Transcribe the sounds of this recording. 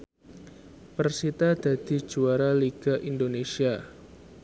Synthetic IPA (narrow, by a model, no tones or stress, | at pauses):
pərsit̪ad̪̥a̤d̪̥i̤̥d͡ʒuaɾaliɡ̥aʔindonesia